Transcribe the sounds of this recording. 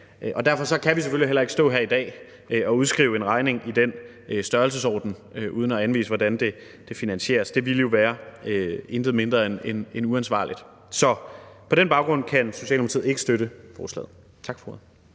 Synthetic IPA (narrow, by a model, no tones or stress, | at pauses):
ʔʔɒ̽d̥æɐfɒ̽sɒ̽kʰæʋis̬eføliɦel̰ɐe̝ɡ̥əsd̥ɔ̰̽ːɦæɐ̰id̥ɛ̰ː | ɒ̽uð̞ˠsɡ̥ʁḭːʊe̝nʁɑ̈ɪne̝ŋʔid̥en | øsd̥ɶɐlsəsɒ̰ːd̥n̩ | øʔuð̞ˠn̩ɒænʋḭːsəʋɒdænd̥e̝ | d̥e̝finænɕe̝̰ːɐsd̥e̝ʋiləjo̝ʋæːɐøe̝nd̥əð̩ˠme̝nd̥ʁɐenenenuænsʋɑ̰̈ːlid̥ | sɒ̽pʰɒ̽ɾenb̥ɑ̈ʊɡ̥ʁɔ̽n̰kʰænso̝ɕɛ̰ːlmʁɐt͡sʰḭð̰̩ˠe̝ɡ̥əsd̥øɾəfɒːslɛ̰ːð̩ˠ | t͡sʰɑ̈ɡ̥fɒ̥o